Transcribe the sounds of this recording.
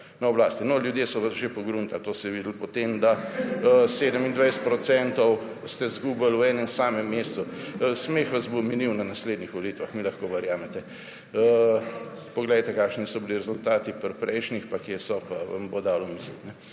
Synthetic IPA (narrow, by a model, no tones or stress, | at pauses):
nɐoblaːst̪inɔljud̪jeːsɔʋɐsʒepoɡɾunt̪alt̪oːsɛʋiːd̪əl̩pot̪emd̪a | seːd̪əmind̪ʋajst̪pɾɔt̪sɛnt̪ɔw | st̪ɛzɡuːbɐlwɛːnɛnsaːmɛmːeːst͡s̪usmexʋazbominiwnanasleːd̪nixʋoliːt̪ʋaxmiːlɐxkoʋɐɾjaːmɛt̪ɛ | ə | poɡlɛjt̪ɛkaːkʃnisɔbiliɾɛzʊlt̪aːt̪ipɾpɾɛjʃnixpakjesɔpaʋa̰mbod̪aːlomiːslit̪nɛ